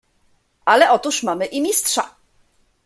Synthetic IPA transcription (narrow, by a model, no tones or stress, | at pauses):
alɛʔɔt̪uʂmamɘʔimʲistʂa̰